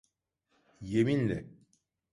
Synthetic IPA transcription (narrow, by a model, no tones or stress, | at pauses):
jeminlʲɛ̰